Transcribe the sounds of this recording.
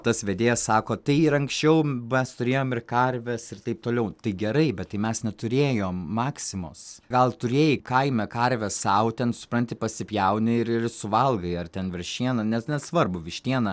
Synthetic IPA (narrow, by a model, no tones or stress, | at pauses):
t̪ɐsʋʲed̪ʲeːjɛssɑːkoːt̪ɐɪɪɾɐŋksʲt͡ʃʲɛʊmʲɛst̪ʊɾʲeːjoːmɪrkɐɾʲʋʲɛsɪrt̪ɐɪp̚t̪oːlʲɛʊt̪ɐɪɡʲɛɾɐɪbʲɛt̪tːɐɪmʲɛsnʲɛt̪ʊɾʲeːjoːmːɑːksʲɪmo̰ːsɡɐlˠt̪ʊɾʲeːjɪkɐɪmʲɛkɐɾʲʋʲɛssɐʊt̪ʲɛnsʊ̥pɾɐnʲt̪ʲɪpɐsʲɪpʲjɛʊnʲɪɪɾɪrsʊʋɐlˠɡɐɪɐrt̪ʲɛnʋʲɪɾʲʃʲtʲiɛnɐnʲɛsnʲɛssʋɐrbʊʋʲɪʃʲt̪ʲiɛnɐ